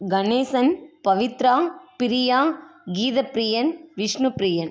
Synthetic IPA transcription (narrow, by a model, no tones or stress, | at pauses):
ɡɐneːsɐnpɐʋɪt̪ɾaːŋpɪɾɪjaːŋɡiːðɐpɾijɐnʋɪʂnupɾɪjɐn